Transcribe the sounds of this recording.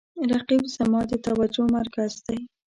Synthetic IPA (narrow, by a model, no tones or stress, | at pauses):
ɾaqibz̥amɑd̪ət̪awad͡ʒomaɾkazd̪aj